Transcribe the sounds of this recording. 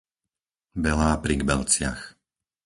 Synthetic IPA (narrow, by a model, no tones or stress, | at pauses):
ʋɛlaːpɾiɡbɛlt͡sɪax